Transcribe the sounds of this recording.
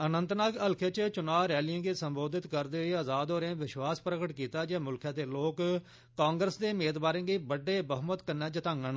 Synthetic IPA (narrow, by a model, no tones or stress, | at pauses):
ənənt̪naːkəlkʰeːt͡ʃət͡ʃʊnaːʋɾɛːlijãːɡiːsəmboːd̪ɪt̪kəɾd̪eːʊeːəzaːd̪oːɾẽːʋɪʃwaːspɾəkəʈkiːt̪aːd͡ʒeːmʊlkʰãːd̪eːloːk | kːãːŋɡɾəsd̪eːmeːd̪baːɾẽːɡiːbəɖːeːbəɦmət̪kənːɛːd͡ʒət̪ãːŋɡən